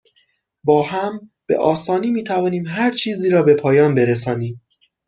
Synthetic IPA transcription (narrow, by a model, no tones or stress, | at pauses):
bɒːhæmb̥e̞̰ʔɒːsɒːniːmiːt̪ʰævɒːniːmɦæɾt͡ʃʰiːziːɾɒːbe̞pʰɒːjɒːnbe̞ɾes̬ɒːniːm